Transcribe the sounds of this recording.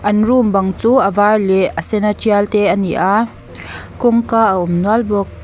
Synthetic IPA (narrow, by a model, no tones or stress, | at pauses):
ʔɐnrumbɐŋt͡suːʔɐvaːrlɛʔɐsɛnat͡ʃialt̪ɛʔɐniʔaː | kʊŋkaːʔəʊmnualbɔk̚